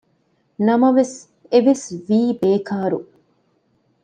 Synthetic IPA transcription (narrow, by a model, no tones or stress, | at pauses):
nɐmɐʋes | eʋesʋiːbeːkaːɾṵ